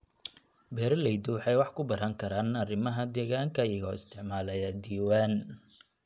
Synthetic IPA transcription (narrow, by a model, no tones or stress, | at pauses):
bɛːɾɐlɛjd̪ʊwħɑjwɑħkʰʊbɐɾɐŋkʰɐɾaːnɐrɪmɐɦɐd̪ɛːɣaːŋkʰɐjɐɣɔ̰ːɪst̪ʰɪʕmaːlɐjɐd̪iːwaːn